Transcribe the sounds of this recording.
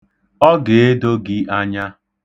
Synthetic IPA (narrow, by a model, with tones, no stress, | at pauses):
ɔ˦ɡe˨e˦do˦ɡɪ˦ʔa˦ɲa˦